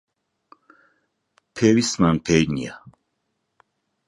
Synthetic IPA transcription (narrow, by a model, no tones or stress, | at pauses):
pʰɛvismanpʰɛjnia